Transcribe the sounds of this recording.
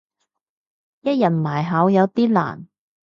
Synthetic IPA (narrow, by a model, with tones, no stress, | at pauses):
jɐ˥t̚jɐ˨˩t̚maː˨˩jɦaː˨˥wjɐ˨˧wt̪iː˥la̰ː˨˩n